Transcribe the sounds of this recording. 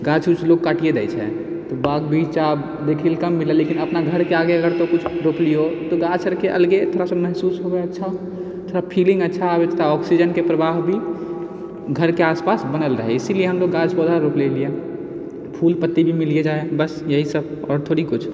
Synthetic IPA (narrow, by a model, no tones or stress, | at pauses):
ɡat͡ʃkut͡ʃʰloɡ̚kaʈijed̪ɛ̰jt͡ʃʰɛ̰ | t̪obaɡbʱit͡ʃab | d̪ekʰilkəmːilelekinəpnaɡʱəɾkeaɡeəɡəɾt̪okut͡ʃʰɾoplijot̪oɡat͡ʃʰəɾkeʔə̰lɡet̪ʰoːɾasəməɦsuːsɦobɛətːʃʰao | t̪ʰoɾapʰilĩŋɡətːʃʰaːbet̪ʰt̪aɔksid͡ʒənkepɾəbaɦbʱi | ɡʱəɾkeaspasbənəlɾəɦɛ̰isilieɦəmd̪oɡat͡ʃʰpɔd̪ʱaɾoklelie | pʰulpət̪ːibʱimilied͡ʒaebəsjəɦisəb̚ɔɾt̪ʰoɽikut͡ʃʰ